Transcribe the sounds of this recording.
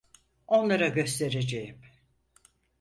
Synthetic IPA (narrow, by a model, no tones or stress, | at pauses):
o̞nlˠaɾaɟø̞st̪ʰe̞ɾed͡ʒejim